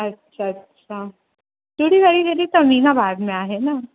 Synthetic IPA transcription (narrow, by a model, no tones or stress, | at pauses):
ətːɕʰaətːɕʰa | t̪uɽ̤iːʋaɭiːd̪eɾiːt̪əninabʱaɡmeaɦena